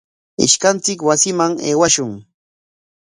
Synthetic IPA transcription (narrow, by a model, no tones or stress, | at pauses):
ɪ̰ʃkant͡sɪkwasɪmaŋeːwaʃʊŋ